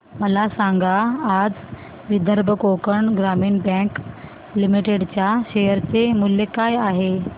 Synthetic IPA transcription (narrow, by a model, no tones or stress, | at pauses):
məlasaŋɡaːd͡z | ʋid̪ʱəɾbʱəkokəɳɡɾamiːɳbɛ̃k | limiʈeɽt͡ɕjaɕejəɾt͡semuljekajaɦe